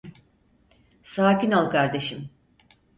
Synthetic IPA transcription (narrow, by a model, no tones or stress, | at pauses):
saːcinalˠkʰaɾd̪e̞ʃim